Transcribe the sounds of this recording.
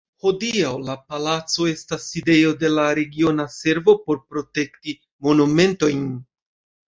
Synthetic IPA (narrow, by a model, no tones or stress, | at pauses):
ho̞diawlapalat͡so̞e̞stasːide̞jo̞de̞laɾe̞ɡio̞nase̞ɾvo̞po̞ɾpɾo̞te̞kti | mo̞nume̞nto̞jn